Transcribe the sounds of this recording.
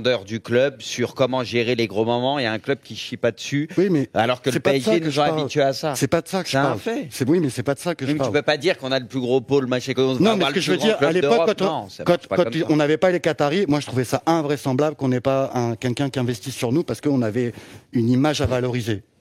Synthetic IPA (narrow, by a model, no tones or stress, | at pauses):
d̪œʁd̪yklœbsyʁkɔmɑ̃ʒeʁeleɡʁomɔmɑ̃jaɛ̃klœb̚kʲiʃipad̪əsywimɛa̰lɔʁkəlsɛpaɛsaenksɔ̃apaʁilt̪ɥeasasɛpad̪əsakə̥ʒ̥əpaʁlfɛsɛwimɛsɛpad̪əsakəʒəpaʁlpøpad̪iʁkɔ̃naləplyɡʁopoləmaʃɛ̃kõnɔ̃mɛlsəʒəvəʁiʁlaled̪pɔkɔkːɑ̃t̪ɔ̃sɛkɑ̃t̪pkɑ̃mɔ̃navɛpalekat̪aʁimwaʒət̪χuvɛsaʔɛ̃vʁɛsɑ̃blabləkɔ̃nɛpaɛ̃kʲɛlkʲɛ̃kʲiɛ̃vɛst̪isːyʁnupaʁsə̥kəɔ̃navɛynimaʒavalɔʁize